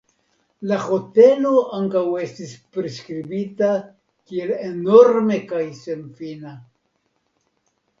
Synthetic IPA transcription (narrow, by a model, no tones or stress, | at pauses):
laho̞te̞lo̞aŋkawe̞stispɾeskɾibita | kie̞leno̞ɾme̞kajse̞nfina